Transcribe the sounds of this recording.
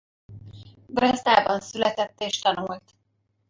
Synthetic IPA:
brɛzd̪aːbɒnsylɛt̪ɛt̪ːeːʃt̪ɒnuːlt̪

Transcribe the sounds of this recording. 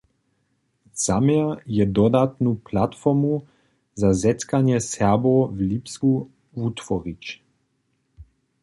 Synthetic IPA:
z̥amɛjɛd̪ɔd̪at̪nuplat̪fɔʁmu | zazɛt̪kanjɛsɛbovlipsku | vut̪vɔʁit͡ɕ

